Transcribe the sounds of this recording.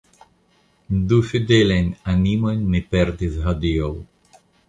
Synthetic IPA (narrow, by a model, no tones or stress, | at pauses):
d̪ufid̪elenanimojnmepeɾd̪isɦad̪iow